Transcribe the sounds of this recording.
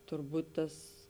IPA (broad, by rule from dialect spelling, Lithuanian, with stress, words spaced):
tʊrˈbuːt ˈtɐs